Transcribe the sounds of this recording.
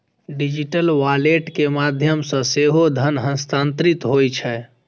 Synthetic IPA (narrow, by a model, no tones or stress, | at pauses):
ɖid͡ʒiʈəlʋaleʈkemad̪ʱjəmsə̃seɦod̪ʱənɦə̃nst̪ant̪ɾit̪ɦojt͡ʃʰɛ